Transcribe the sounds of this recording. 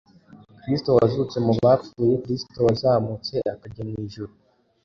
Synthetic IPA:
kɾisto̞wazut͡se̞muβaːfuːjekɾisto̞wazaːmut͡se̞ʔakaɟamŋiːʒuɾu

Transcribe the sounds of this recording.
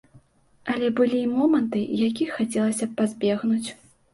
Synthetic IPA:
ɐlʲɛbɨlʲimɔmɐnt̪ɨjakʲixat͡sʲɛlˠɐsʲɐpazʲbʲɛɣnut͡sʲ

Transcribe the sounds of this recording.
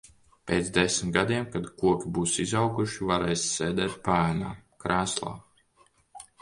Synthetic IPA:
pʲeːt̪zd̪esʲmʲt̪ɡad̪iɛmkad̪kuɔkʲibuːsizawɡuʃivaɾeːjsseːd̪ɛːt̪̚paːna̰ːkɾaːslˠa̰ː

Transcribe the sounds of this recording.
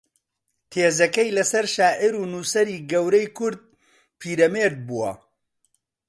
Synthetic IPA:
t̪ʰeːzɐkɐjlɐsɐɾʃaːʔɪɾuːnuːsɐɾiːɡɐwɾɐjkʰʊɾd̪̚ | pʰiːɾɐmeɾd̪̚buwɐ̰

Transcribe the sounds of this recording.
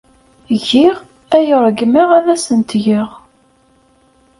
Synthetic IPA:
ʝiʁ | æjəɾˤɡmiʁæðæsənt̪ʝəʁ

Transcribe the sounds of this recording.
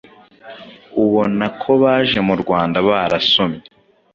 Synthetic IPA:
uβonakʰo̞βaːʒe̞muɾɡwaːndaβaːɾasomje

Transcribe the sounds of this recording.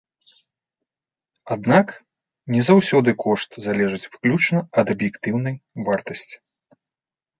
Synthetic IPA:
ad̪nak | nʲɛzawsʲɔd̪ɨkʰɔʂt̪zalʲɛʐɨt͡sʲvɨklʲut͡ʂnɐɐd̪ɐbjɛkt̪ɨwn̪ɐjvart̪ɐsʲt͡sʲi̥

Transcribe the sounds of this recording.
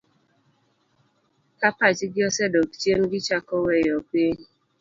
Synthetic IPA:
kapat͡ʃɪɡɪɔsedɔki̥t͡ʃien̩ɡɪt͡ʃakɔwejɔkeɲi

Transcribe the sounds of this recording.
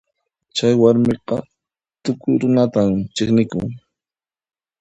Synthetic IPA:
t͡ʃajwaɾmɪqɑ | t̪ʊkʊjɾʊnat̪amt͡ʃɪχnɪkʊ̰ŋ

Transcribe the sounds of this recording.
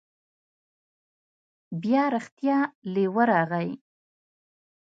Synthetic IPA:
bjɑɾaxt̪jɑlewəɾɑɣaj

